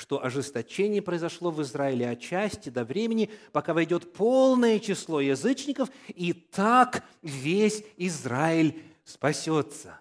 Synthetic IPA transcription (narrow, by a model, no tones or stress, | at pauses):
ʂt̪o̞ʔɐʐɨst̪ɐt͡ɕenʲɪjəpɾəɪzɐʂlˠo̞vɨzɾaɪlʲɪɐt͡ɕæsʲtʲɪd̪ɐvɾʲemʲɪnʲɪpɐkavɐjdʲo̞t̪pʰo̞lˠnəjət͡ɕɪslˠo̞jɪzɨt͡ɕnʲɪkəfit̪akvʲesʲɪzɾaɪlʲ | spɐsʲo̞t̪sə̥